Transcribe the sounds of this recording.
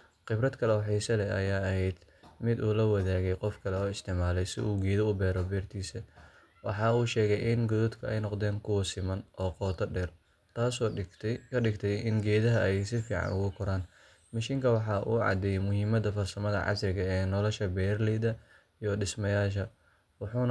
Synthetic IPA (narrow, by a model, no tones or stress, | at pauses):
qɪbɾɐd̪kʰɐlɛwħɛjsɐlɛɐ̰jaːɐhɛjd̪ | mɪd̪uːlɐwɐðaːɣɛjqɔfkʰɐlɛɔːɪst̪ʰɪʕmaːlɛjsɪ̰ʔuːɡɛːðɐʊbɛːɾɔbɛːrt̪ʰiːsɐ | wɑ̰ħɑːuːʃɛːɣɛjʔɪnɡɔðuːd̪kʰɐɛjnɔqd̪ɛːŋkʰʊwɐsɪmɐnʔɔːqɔːt̪ʰɐɖɛːr | t̪ʰaːsɔːɪt̪ʰkʰɐɖɪɡt̪ʰɛjɪnɡɛːðɐɦɐɛjsɪfḭːʕɑ̰nʔʊɣʊkʰɔɾaːn | mɐʃiːŋkʰɐwɑħɑːʔuːʕɑ̰d̪ɛjɛmʊɦɪmɐd̪ɐfɐrsɐmɐðɐ̰ʕɑ̰sɾɪɣɐɛːnɔlɔʃɐbɛːrlɛjðɐ | ijɔɖɪsmɐjaːʃ̬ɐ | wɑħuːn